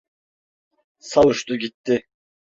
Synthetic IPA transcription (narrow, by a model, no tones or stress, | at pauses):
sɑwuʃt̪ʊɡʲit̪ːɪ